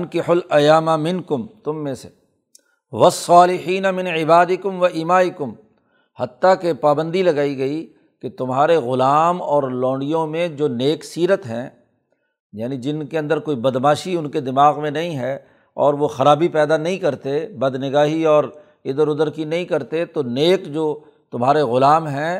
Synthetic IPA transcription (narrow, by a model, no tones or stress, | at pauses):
nkɪħʊlɐjaːmamɪ̃nkʊmt̪ʊmːẽse | ʋɐsːɑːlɪħiːnamɪ̃nʕɪbaːd̪ɪkʊmʋɐʔiːmaːɪkʊm | hɐt̪ːakepaːbə̃nd̪ilɐɡaːiɡɐi | ket̪ʊmɦaːɾeɣʊlaːmɔːɾlɔ̃ːɳɖijõmẽd͡ʒoːneːksiːɾət̪ɦɛ̃ː | jaːnid͡ʒɪnkeɐ̃nd̪əɾkoːibɐd̪maːʃiʊnked̪ɪmaːɣmẽnɐɦĩɦɛ | ɔːɾʋoxɐɾaːbipɛːd̪anɐɦĩkɐɾt̪ebɐd̪nɪɡaːɦiɔːɾ | ɪd̪əɾʊd̪əɾkinɐɦĩkɐɾt̪et̪oneːkd͡ʒoː | t̪ʊmɦaːɾeɣʊlaːmɦɛ̃ː